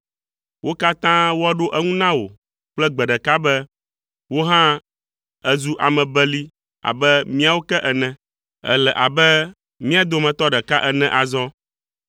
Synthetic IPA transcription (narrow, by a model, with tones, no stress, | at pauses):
wʔo˦ka˦t̪ã˦wo˦a˦ɖo˦ʔɛ˦ŋũ˦nã˦wo̰˨ | k͡plɛ˦ɡ͡bɛ˨ɖɛ˨ka˦bɛ˦ | wo˦ɦã˦ | ɛ˦zu˦ʔa˨mɛ̃˨bɛ˦li˦ | a̰˨bɛ˦mĩ˦a˦˨wo˦kɛ˦ʔɛ˨nɛ̃˨ | ɛ̰˦lɛ˨ʔa˨bɛ˦ | mĩ˦a˨d̪o˦mɛ̃˨t̪ɔ˦ɖɛ˨ka˦ʔɛ˦nɛ̃˨ʔa˨zɔ̃˦